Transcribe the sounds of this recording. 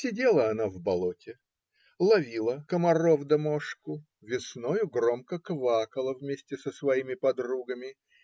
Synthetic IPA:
sʲɪdʲelˠəɐnavbɐlˠotʲɪ | lˠɐvʲilˠəkəmɐrovd̪ɐmoʂkʊ | vʲɪsnojʊɡromkəkvakəlˠəvmʲesʲtʲɪsəsvɐimʲɪpɐd̪ruɡəmʲɪ

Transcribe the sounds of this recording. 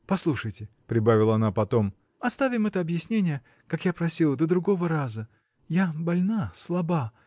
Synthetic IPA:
pɐslˠuʂəjtʲɪpɾʲɪbavʲɪlˠəɐnapɐt̪o̞m | ɐst̪avʲɪmɛt̪əɐbjɪsʲnʲenʲɪjə | kakjapɾɐsʲilˠəd̪əd̪ɾʊɡo̞vəɾazə | jabɐlʲnaslˠɐba

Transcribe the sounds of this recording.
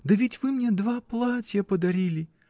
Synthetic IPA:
d̪ɐʋʲitʲʋɪmnʲɛd̪ʋaplˠatʲjɐpɔd̪ɐɾʲilʲi

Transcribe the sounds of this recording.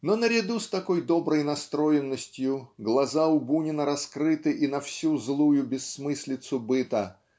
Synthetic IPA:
nonəɾʲɪd̪ust̪ɐko̞jd̪o̞bɾəjnɐst̪ɾo̞jɪnːəsʲtʲjʊɡlˠɐzaʊbunʲɪnəɾɐskɾɨt̪ɨʔinɐfsʲuzlˠujʊbʲɪsːmɨsʲlʲɪt̪sʊbɨt̪ə

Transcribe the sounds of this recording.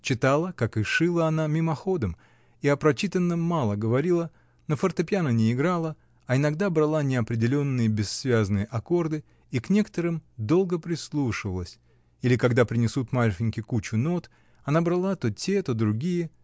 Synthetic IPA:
t͡ɕɪt̪alˠəkakɨʂɨlˠəɐnamʲɪmɐxo̞d̪əm | iɐpɾɐt͡ɕit̪ənːəmːalˠəɡəvɐɾʲilˠə | nofərt̪əpʲjanənʲɪɪɡɾalˠə | ɐɪnɐɡd̪abɾɐlˠanʲɪɐpɾʲɪdʲɪlʲo̞nːɨjəbʲɪsːvʲaznɨjəʔɐko̞rd̪ɨ | iknʲe̞kə̥t̪əɾɨmd̪o̞lˠɡəpɾʲɪslˠuʂɨvəlˠəsʲ | ilʲɪkɐɡd̪apɾʲɪnʲɪsut̪malʲfɪnʲkʲɪkut͡ɕʊno̞t̪ | ɐnabɾalˠat̪o̞tʲe̞t̪o̞d̪ɾʊɡʲijə

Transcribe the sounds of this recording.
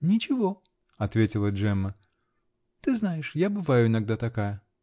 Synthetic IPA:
nʲɪt͡ɕɪvo | ɐt̪vʲetʲɪlˠəʐɛmːə | t̪ɨznajɪʂjabɨvajʊɪnɐɡ̚d̪at̪ɐkajə

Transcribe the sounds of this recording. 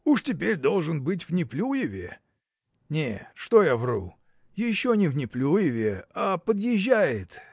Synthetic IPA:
uʂtʲɪpʲeɾʲd̪o̞lˠʐɨnbɨt̬ʲvnʲɪplʲujɪvʲḛ | nʲeʂt̪ojavrṵ | jɪɕːonʲɪvnʲɪplʲujɪvʲeapəd̪jɪʑːæjɪt̪

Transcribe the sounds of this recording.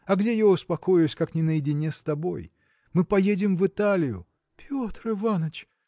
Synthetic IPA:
ɐɡdʲe̞jaʊspɐko̞jʊsʲkaknʲɪnəjɪdʲɪnʲest̪ɐbo̞̰j | mɨpɐjedʲɪmvɨt̪alʲɪjʊ̰ | pʲo̞t̪ɾɨvanət͡ɕ

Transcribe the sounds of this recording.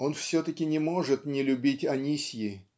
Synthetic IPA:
o̞nfsʲɵt̪əkʲɪnʲɪmo̞ʐɨt̪nʲɪlʲʊbʲitʲɐnʲisʲjɪ

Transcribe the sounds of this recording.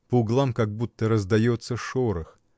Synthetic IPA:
pəʊɡlˠamkɐɡ̚but̪ːəɾəzd̪ɐjot̪səʂoɾəx

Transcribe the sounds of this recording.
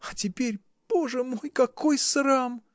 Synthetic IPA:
ɐtʲɪpʲeɾʲ | b̥oʐɨmo̞jkɐko̞jsram

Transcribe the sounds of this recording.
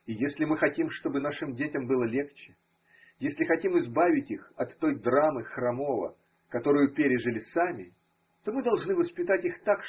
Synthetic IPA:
ijesʲlʲɪmɨxɐtʲimʂt̪o̞bɨnaʂɨmdʲetʲɪmbɨlˠəlʲe̞kt͡ɕɪ̥ | jesʲlʲɪxɐtʲimɨzbavʲɪtʲixɐt̪ːo̞jd̪ramɨxrɐmo̞və̰ | kɐt̪o̞ɾʊjʊpʲeɾʲɪʐɨlʲɪsamʲɪ | t̪o̞mɨd̪ɐlˠʐnɨvəspʲɪt̪atʲixt̪ak

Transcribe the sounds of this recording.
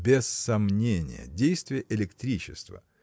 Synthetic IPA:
bʲɪsːɐmnʲenʲɪ̰jə̰dʲejst̪vʲɪjəʔɪlʲɪkt̪ɾʲit͡ɕɪst̪və̰

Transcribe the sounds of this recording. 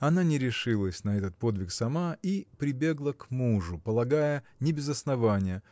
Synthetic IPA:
ɐnanʲɪɾʲɪʂɨlˠəsʲnɐɛt̪ət̪̚po̞d̪vʲɪksɐmaipɾʲɪbʲe̞ɡlˠəkmuʐʊpəlˠɐɡajənʲɪbʲɪzɐsnɐvanʲɪjə

